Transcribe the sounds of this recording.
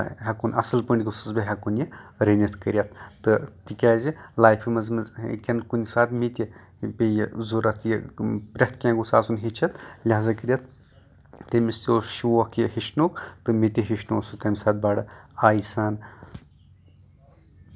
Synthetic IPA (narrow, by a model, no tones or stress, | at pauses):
ɦʲɐkunʔɐ̰sɨlpəɳɖʲɡusɨzbʲɐɦɐkunjiɾenʲɐt̪ʰkəɾʲjɐt̪ʰt̪ːɨt̪ikʲaːzilaːjpʰʲimɐzmɐ̰kʲɐnkunʲisaːt̪mit̪ʲi | bʲejɐzuɾɐt̪ʰjipɾʲɐt̪ʰkʲãːɡusaːsunɦit͡ʃʰɐt̪lʲaɦzɐkəɾʲjɐt̪ʰ | t̪ɐmist̪ʲoːsʃiokɦiʃnoːkt̪ɨmit̪ʲiɦiʃnoːsɨt̪ɐmʲsaːt̪̚baːɽɐaːisaːn